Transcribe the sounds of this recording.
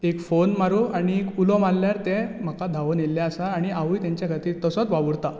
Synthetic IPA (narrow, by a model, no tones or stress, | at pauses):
ekfonmaɾuaɽ̃iekulɔmalːjaɾt̪em̤əkad̪ʱaʋonelːjaəsaːɽ̃iaʋuːjt̪jaɲt͡ɕjaɡʱət̪iːt̪əsɔt͡s̪ʋaʋəɽt̪a